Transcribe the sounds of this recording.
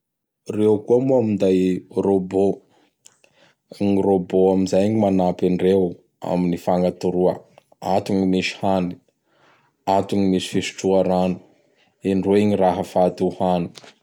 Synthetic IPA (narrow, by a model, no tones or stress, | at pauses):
reukuamuamind̪ajrobo | ŋiroboamizajɲimanapiɳɖ͡ʐew | a̰minifaŋat̪uɾuə̰ | at̪uɲimisi̥hani̥ | at̪uɲimisi̥fesi̥ʈ͡ʂuaɾani̥ | iɳɖ͡ʐoiɲiraɦəfad̪uhani̥